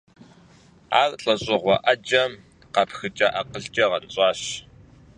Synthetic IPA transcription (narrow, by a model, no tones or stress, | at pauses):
a̰ːrɬʼɐɕʼɪʁʷɔʔɐd͡ʒʼɐm | qɐpxɨt͡ʃʼɐʔɐqəɮt͡ʃʼɐʁɐnt͡sʼɑːɕ